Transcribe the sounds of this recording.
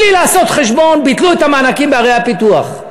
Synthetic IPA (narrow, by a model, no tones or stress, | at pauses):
lilaːso̞t̪χeʃbo̞nbit̪luet̪amaːnakimbeaʁejhapit̪uaχ